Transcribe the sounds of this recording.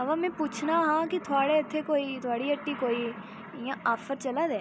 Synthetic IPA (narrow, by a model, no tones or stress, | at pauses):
əʋãːmɛ̃ːpuːt͡ʃʰnaːɦãːkɪt̪ʰʊaːɽeːɪt̪ʰːeːkoːiːt̪ʰʊaːɽiːəʈːiːkoːiː | ɪjãːaːfʰəɾt͡ʃəlaːd̪ɛː